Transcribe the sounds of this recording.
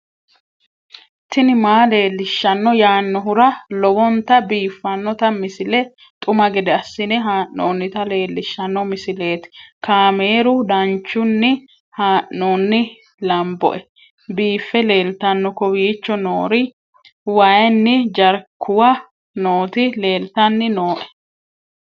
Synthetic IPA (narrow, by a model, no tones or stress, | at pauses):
t̪ːɪnɪmaːle̞ːlːɪʃːɐnːɔjaːnːɔɦʊɾɐlɔwɔnt̪ɐbiːfːɐnːɔt̪ɐmɪsɪlɛ | t̪ʼʊmɐɡɛd̪ɛɐsːɪnɛɦaːʔnoːnːɪt̪ɐle̞ːlːɪʃːɐnːɔmɪsɪle̞ːt̪ɪ̥kaːmeːɾʊd̪ɐnt͡ʃːʊnːɪ | haːʔːoːnːɪ | lɐmbɔ̰ʔɛ | biːfːɛle̞ːlt̪ɐnːɔkɔwiːt͡ʃːɔnoːɾɪ | wɐjɛnːɪd͡ʒɐɾkʰːʊwɐ | noːt̪ɪle̞ːlt̪ɐnːɪnoːʔɛ̥